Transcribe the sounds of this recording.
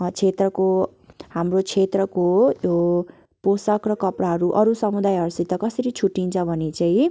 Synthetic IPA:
t͡sʰet̪rʌko | hamrot͡sʰet̪rʌkojo | posʌkrʌkʌpraɦʌɾuʔʌɾusʌmud̪ajɦʌɾsit̪ʌkʌsʌɾit͡sʰuʈːint͡sʰʌbʱʌnet͡saĩ

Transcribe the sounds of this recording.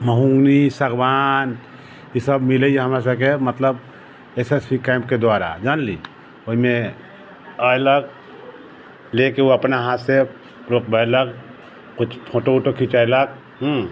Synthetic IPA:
məɦũŋɡnisɐɡbaːn | jisəbmɪleɦɐmas̬akemɐt̪ləb̚ | esespikaːɪ̃mpked̪ʊwaːɾa̰d͡ʒaːnli | oɦimẽ | ələɡ | lekeoɐpnaɦat̪se | pɾoːk̚bələɡ | kʊt͡ʃʰt͡ʃʰoːʈouʈokʰit͡ʃajləɡ̚ | ɦ

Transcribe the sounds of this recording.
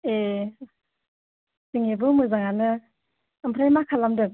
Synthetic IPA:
e | ziŋebɯmɯzaŋanɯː | mpʰɾajmakʰalamdɯ

